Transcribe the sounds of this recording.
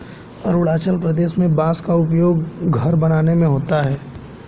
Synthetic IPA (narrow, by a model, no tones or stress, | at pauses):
ɐɾʊɽaːt͡ʃəlpɾɐd̪eːʃmẽbãːskaʊpjoːɡ̚ɡʱɐɾbɐnaːnemẽɦoːt̪aɦɛː